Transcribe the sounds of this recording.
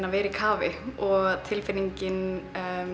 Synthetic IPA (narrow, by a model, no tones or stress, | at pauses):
navɛːɾikʰaːvɪɔɣt̪ʰɪlfɪniɲcɪn